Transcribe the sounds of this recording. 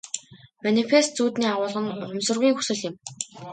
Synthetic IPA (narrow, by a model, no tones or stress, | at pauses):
manefes̚t͡suːt̪niːaʁʊːɮʁə̆nχʊmsə̆rɣʲiːŋxusɘ̆ɮɪ̆m